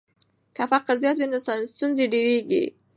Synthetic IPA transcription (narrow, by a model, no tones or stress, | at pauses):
kafaqaɾzjɑt̪winasanst̪unzeɖeɾeɡḭ